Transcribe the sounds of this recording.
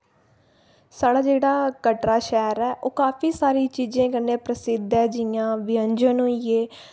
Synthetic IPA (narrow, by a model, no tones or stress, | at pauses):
saːɽaːd͡ʒeːɽaːkəʈɾaːʃɛːɾɛːʔoːkaːfiːsaːɾiːt͡ʃiːd͡ʒẽːkənːẽːpɾəsɪd̪ʱɛːd͡ʒɪãːʋɪəɲd͡ʒənɦoːieː